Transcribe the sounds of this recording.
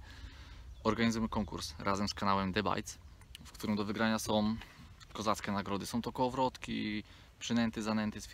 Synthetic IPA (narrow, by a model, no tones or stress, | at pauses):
ɔɾɡaɲizujɛkɔŋkṵɾsɾʔazɛmskanawɛmd̪ɛba̰jt̪s | fkt̪uɾɘmd̪ɔvɘɡɾaɲasɔ̃w̃ | kɔzat̪skʲɛnaɡɾɔd̪ɘsɔ̃w̃t̪ɔkɔɔvɾɔt̪kʲḭ | pʂɘnɛnt̪ɛzanɛnt̪ɛsʲ